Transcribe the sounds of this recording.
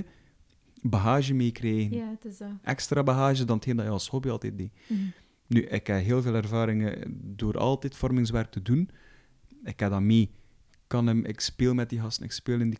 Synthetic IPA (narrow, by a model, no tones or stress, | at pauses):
bəɦaːʒəmeːkreːɣənʔɛkstraːbəɦaːʒədɑnəthɪːndɑjɑlˠshɔbiɑlˠtɛt̚beː | nyʔɪkɛɦeːlˠveːlˠɛrvaːɾɪŋədoːɾɑ̰lˠtɛtfɔrmɪŋs̬wɛrk̚tədun | ɪkːɛdaːmeː | kɑnəmʔɪ̰kspeːlˠmɛt̚diɦɑstənɪ̰kspeːləndi